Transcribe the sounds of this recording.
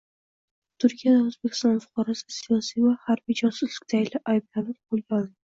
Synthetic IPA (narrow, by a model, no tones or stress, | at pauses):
t̪ʰʊɾkʲʰijad̪aʊzbekʲɪ̥st̪ɒnfʊ̥qʰɒɾasɪsijɒsijvahaɾbid͡ʒɒsʊzlɪk̚ʲt̪ʰaɪlɪʔajb̚lanɪɾqolˠɡʲaɒlˠɪɪ